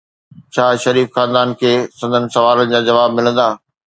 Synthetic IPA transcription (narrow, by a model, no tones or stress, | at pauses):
t͡ɕʰaːʃɐɾiːfxaːnd̪aːnkʰeːsɐ̃nd̪ʱənɪ̆sɐʋaːlənɪ̆d͡ʑãːd͡ʑɐʋaːbmɪlə̃nd̪aː